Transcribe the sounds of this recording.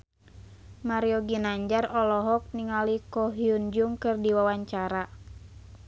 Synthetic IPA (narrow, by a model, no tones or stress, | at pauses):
maɾiɔɡinaɲd͡ʒarɔlɔɦɔk̚niŋalikɔɦiund͡ʒuŋkɨrdiwawaɲt͡ʃaɾa